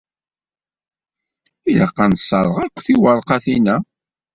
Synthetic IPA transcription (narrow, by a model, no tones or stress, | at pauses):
iləqːɑnsːəɾˤəʁækʷːθiwəɾˤqɑθinæ